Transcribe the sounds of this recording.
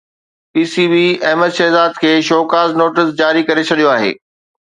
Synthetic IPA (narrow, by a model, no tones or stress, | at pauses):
piːsiːbiːɛːməd̪ʃɛːzaːd̪̚kʰeːʃoːkaːznoːʈɪsd͡ʑaːɾikɐɾet͡ɕʰɐɗijoaːɦḛː